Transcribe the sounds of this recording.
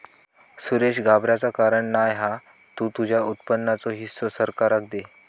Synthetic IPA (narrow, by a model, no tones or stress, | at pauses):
suɾeɕɡʱabɾjat͡sakaɾəɳnajɦa | t̪ut̪ud͡ʑʱjaut̪̚pənːat͡sɔɦisːosəɾkaɾakd̪e